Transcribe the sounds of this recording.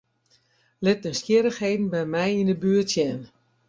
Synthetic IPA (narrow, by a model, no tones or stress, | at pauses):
lɪt̚dənskjɪɾəxhejdn̩bɛjmɛjindəbyːətjɛn